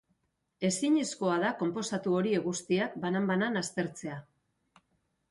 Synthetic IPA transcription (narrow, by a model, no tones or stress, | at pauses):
e̞siɲisko̞aðako̞mpo̞sat̪uo̞ɾieɣust̪iak̚banambananast̪e̞ɾt͡se̞a